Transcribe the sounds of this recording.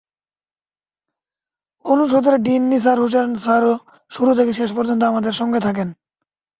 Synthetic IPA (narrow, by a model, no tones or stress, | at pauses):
onuʃ̬od̪oɾaɖinːis̬aɾɦuʃ̬aɾnsaɾo | ʃuɾut̪ʰekeʃeʃpoɾd͡ʑont̪̬oamad̪eɾʃɔŋɡet̪ʰak̬en